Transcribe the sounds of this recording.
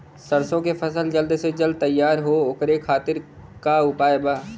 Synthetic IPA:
səɾsõkefʰəsəld͡ʒəld̪sed͡ʒəld̪̚t̪əjːaːɾɦoʊkɾekʰaːt̪ɪɾ | kaʊpaːjbaː

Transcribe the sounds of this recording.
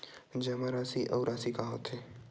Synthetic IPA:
d͡ʒɐmaɾasiʔɔwɾaːsikaɦot̪ʰe

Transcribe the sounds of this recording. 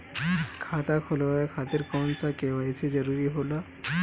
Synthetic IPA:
kʰat̪akʰoljakʰat̪iːɾkɔɳt͡sakeʋajt͡sed͡zəɾuɾiːɦola

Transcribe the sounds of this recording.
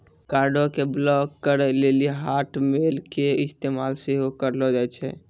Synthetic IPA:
kaɾɖokeblɔkːəɾɛleliɦaʈmelkeist̪emalseɦokəɾlɔd͡ʒajt͡ʃʰɛ̰

